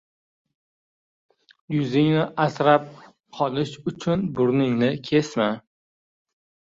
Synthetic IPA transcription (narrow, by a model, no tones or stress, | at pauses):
jʊzɪŋnɪʔasɾap̚ | qʰɒlˠɪʃʊt͡ʃʰʊnbʊɾnɪŋnɪkʲʰe̞sma